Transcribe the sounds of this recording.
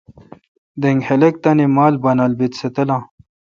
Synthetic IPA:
d̪eŋɡhelek̚t̪ɐnimaːlbɐnalbit̪set̪ɐlã

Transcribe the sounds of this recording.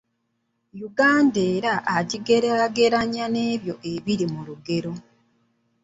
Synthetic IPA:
juɡaːndeːɾaʔːɟiɡe̞ɾeɾaɡe̞ɾaɲane̞ːβjo̞ʔe̞βiɾimuluɡe̞ɾo̞

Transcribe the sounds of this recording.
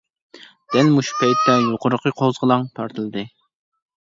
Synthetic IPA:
d̪̥ɛlmuʃpɛjt̪ʰːɛjoqʊɾəqʰəqʰozʁlˠɑŋt̪ʰɑɾt̪ʰɨlˠɨd̪ɨ

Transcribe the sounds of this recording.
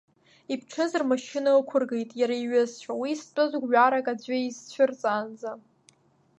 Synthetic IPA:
ipʰʈ͡ʂʰɨzɨrmaʃɪnaokʷʰʊrɡejtʼjaɾaiɥʊzt͡ʃʷᶣawiːst͡pʷʼɨzʷɡʷɥᶣaɾakʼad͡zʷaizt͡ɕʷʰʊrt͡sʼand͡za

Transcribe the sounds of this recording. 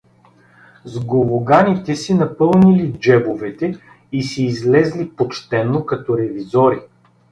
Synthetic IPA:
zɡovoɡanit̪ɛsinɐpɤlˠnilid͡ʒɛbovɛt̪ɛ | isɛːzlɛzlipot͡ʃt̪ɛnːokɐt̪ɔɾɛvizɔɾi

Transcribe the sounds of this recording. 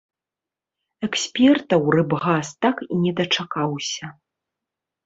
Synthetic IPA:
ɛksʲpʲɛrt̪ɐwrɨbɣast̪akinʲɛd̪ɐt͡ʂakawsʲɐ

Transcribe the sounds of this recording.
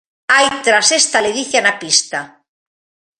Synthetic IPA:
ajt̪ɾasest̪aleðiθjanapist̪a

